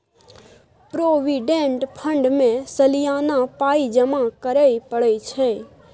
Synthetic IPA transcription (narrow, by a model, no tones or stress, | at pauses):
pɾoʋiɖẽɳʈpʰə̃ɳɖmẽsəlijanapaid͡ʒəmakəɾəipəɭəit͡ʃʰe